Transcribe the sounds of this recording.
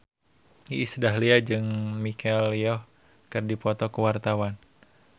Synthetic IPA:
iʔisədaɦliad͡ʒɨŋmikʰɛliɔh | kɨrdipɔt̪ɔkəwart̪awan

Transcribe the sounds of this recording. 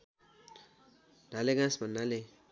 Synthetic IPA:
dʱaleɡãsbʱʌnːale

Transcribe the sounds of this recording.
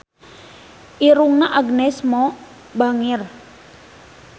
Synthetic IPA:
ʔiɾuŋnaʔaɡnɛsmɔ | baŋir

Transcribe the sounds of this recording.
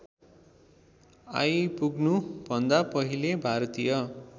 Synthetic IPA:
a̰jpuɡnubʱʌnd̪apʌɦilebʱaɾʌt̪ijʌ

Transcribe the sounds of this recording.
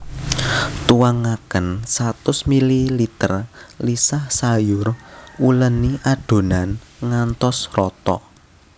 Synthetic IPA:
t̪uwaŋakənsat̪ʊsmililit̪ərlisahsajʊruləniʔaɖ̥o̤nanŋant̪ɔsrɔt̪ɔ̰

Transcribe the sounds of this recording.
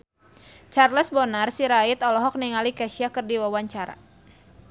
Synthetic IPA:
t͡ʃarləsbɔnarsiɾait̪ɔlɔɦɔk̚niŋalikaʃiakɨrdiwawaɲt͡ʃaɾa̰

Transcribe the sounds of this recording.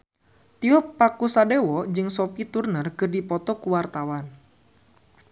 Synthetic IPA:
t̪iɔpːakusadewɔd͡ʒɨŋsɔpit̪urnərkɨrdipɔt̪ɔkuwart̪awan

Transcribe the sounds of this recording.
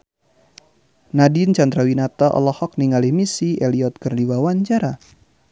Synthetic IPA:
nadint͡ʃand̪ɾawinat̪aʔɔ̰lɔhɔk̚niŋalihmisiʔɛliɔt̪̚kɨrdiwawaɲt͡ʃaɾa

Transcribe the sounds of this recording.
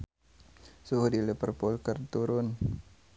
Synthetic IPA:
suɦudilipərpʊlkərt̪uɾʊn

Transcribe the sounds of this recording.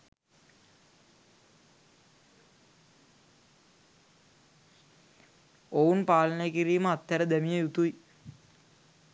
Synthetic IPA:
ounpaːlənəjəkiɾiːməat̪ːæɾəd̪æmijəjut̪uj

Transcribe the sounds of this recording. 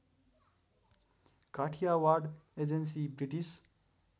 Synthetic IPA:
kaʈʰijawaɾɖed͡ʒensibɾiʈis

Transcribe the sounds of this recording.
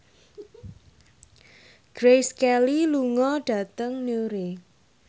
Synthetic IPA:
ɡ̥ɾejskɛliluŋɔɖ̥ä̤t̪əŋneoɾe

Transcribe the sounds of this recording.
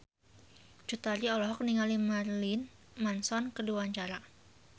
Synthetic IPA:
d͡ʒut̪aɾiɔlɔɦɔk̚niŋalimarlin | mansɔnkəduaɲt͡ʃaɾa

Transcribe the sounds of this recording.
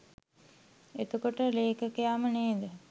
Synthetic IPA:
et̪ukoʈəleːkəkəjaːməneːd̪ə

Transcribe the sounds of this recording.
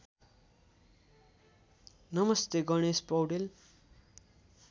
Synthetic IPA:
nʌmʌst̪eɡʌɽ̃espʌwʈel

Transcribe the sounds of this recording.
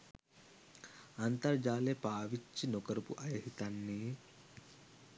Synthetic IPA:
ɐnt̪ɐɾd͡ʒaːlepaːʋit͡ʃːinokɐɾɐpṵʔɐjɐɦit̪anːi

